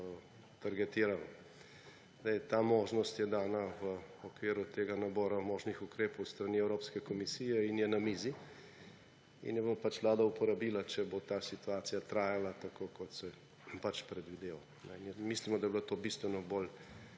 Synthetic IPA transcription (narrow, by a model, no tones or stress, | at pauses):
t̪aɾɡɛt̪iːɾalɔ | zd̪ɛjt̪aːmoːʒnɔst̪jɛd̪aːnaʋəɔkʋiːɾut̪eːɡanabɔːɾamoːʒnixukɾeːpowst̪ɾaniɛwɾoːpskɛkɔmisiːjɛinjɛnamiːzi | ḭnjɛbopat͡ʃʋlaːd̪aupɔɾabiːlat͡ʃɛbot̪aːsit̪uaːt̪sijat̪ɾaːjalat̪akʰokʰɔt̪sɛ | pat͡ʃpɾɛd̪ʋid̪eːʋo | nɛ̰nɛmislimɔd̪ajblat̪oːbist̪ʋɛnɔbol